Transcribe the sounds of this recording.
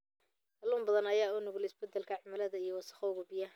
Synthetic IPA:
tɐluːmbɐðɐnɐjaːʊnʊɣʊlɪsbɛd̪ɛlkʰɐʕʊmɐlɐðɐijɞwɑsɐ̥χɔʊɣʊbɪjɐ

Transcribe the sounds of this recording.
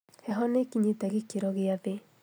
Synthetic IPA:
hɛɦɔnekiɲetaɣikeɾɔɣeaðe

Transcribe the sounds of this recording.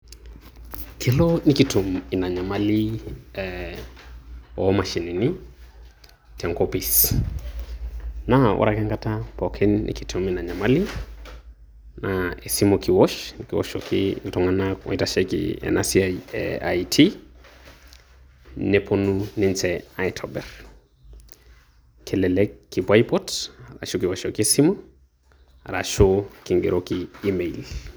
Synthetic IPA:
kʰelonikitʰuminaɲamaliɛ | ɔmaʃinini | kʰɛŋkopis | nawʔa̰ɾakɛŋɡatapɔkʰɛnːḭkitʰuminaɲamali | naesimokʰiwɔʃnikiwɔ̰ʃokʰiltɔŋanaɔ̰itaʃɛkḭḛnas | ajtʰi | nepʰonuninsɛajtʰɔbɛr | kʰɛlɛlɛkːibajpɔtɾa̰ʃokiwaʃokisimo | ɾa̰ʃokiŋɡḛɾʔokiːmeil

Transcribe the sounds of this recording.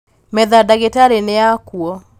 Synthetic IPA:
mɛðadaɣetaɾeneakuɔ

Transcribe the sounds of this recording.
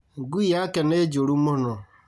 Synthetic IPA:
ɡujakened͡ʒoɾumono

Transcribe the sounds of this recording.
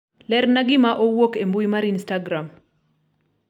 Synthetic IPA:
lɛrnaɡɪmaʔowokembuimaɾinstaɡɾam

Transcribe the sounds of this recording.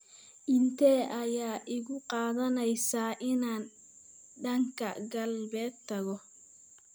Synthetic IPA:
ʔɪnt̪ʰɛːʔɐjaːʔɪɣʊqɑːðɐnɛjsaːʔɪnaːn | ɖɐŋkʰɐ̰ɡɐlbɛːd̪t̪ʰɐɣɔ

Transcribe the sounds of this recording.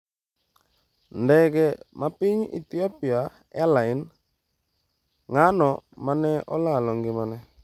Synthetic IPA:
ndɛkɛmapɪɲḭt̪iɔpia | alaɪn | ŋanɔmanɛʔɔ̰lalɔŋɡɪmanɛ

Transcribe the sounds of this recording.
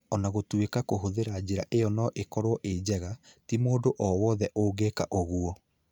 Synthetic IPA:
ɔnaɣotwekakoɦoðeɾad͡ʑeɾaʔejɔnɔʔekɔɾowɔʔed͡ʑɛɣatimoːdoʔɔwɔðɛʔoːɡekaʔoɣuɔ

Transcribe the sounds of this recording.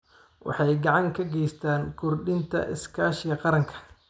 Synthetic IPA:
wʔɑ̰ħɑjɡɑʕɑŋkʰɐɡɛjst̪ʰaːnkʰʊrɖɪnt̪ʰɐ̰ʔɪ̰skʰaːʃjɐqɑɾɐŋkʰɐ̥

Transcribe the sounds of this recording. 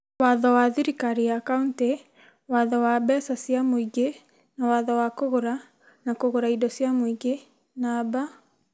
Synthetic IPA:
waðɔwaðiɾikaɾiakaunte | waðɔwabɛsasjamoiɡe | nawaðɔwakoɣoɾa | nakoɣoɾaidɔsjamoiɡe | naba

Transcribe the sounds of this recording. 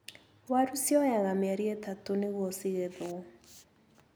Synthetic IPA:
waɾusjɔjaɣameaɾiɛtatoneɣɔsiɣɛðo

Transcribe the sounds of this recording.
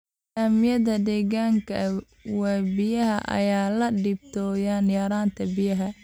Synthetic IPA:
amɪjɐðɐd̪ɛːɣaːŋkʰɐ | wɛːbɪjɐɦɐʔɐ̰jaːlɐɖɪb̚t̪ʰɔːjanjɐɾaːnt̪ʰɐbɪjɐɦɐ

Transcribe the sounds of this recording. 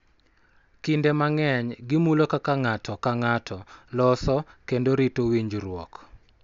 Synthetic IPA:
kindemaŋɛɲɡɪmulokakaŋatɔkaŋatʰɔlɔsɔkendoɾitowiɲd͡ʒɾwɔ̰k

